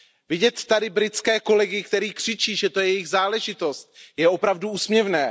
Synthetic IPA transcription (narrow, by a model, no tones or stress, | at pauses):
vɪɟɛt̪ːadɪbɾɪt͡skɛːko̞lɛɡɪkt̪ɛɾiːkr̝̥ɪt͡ʃiːʒɛt̪o̞jɛjɪɣzaːlɛʒɪt̪o̞st̪̚jɛʔo̞pɾavduuːsmɲɛvnɛː